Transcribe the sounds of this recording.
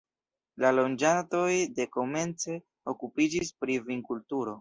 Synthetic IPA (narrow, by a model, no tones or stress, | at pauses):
lalo̞nd͡ʒato̞jde̞ko̞me̞nt͡se̞ | okupid͡ʒispɾiviŋkultuɾo̞